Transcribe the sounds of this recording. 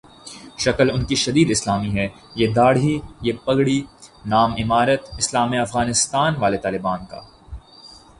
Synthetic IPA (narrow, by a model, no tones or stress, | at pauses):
ʃɐkəlʊnkiʃɐd̪iːd̪ɪslaːmiɦɛː | jed̪aːɽijepɐɡɽinaːmɪmaːɾət̪ɪslaːmiɐfɣaːnɪst̪aːnʋaːlet̪aːlɪbaːnka̰ː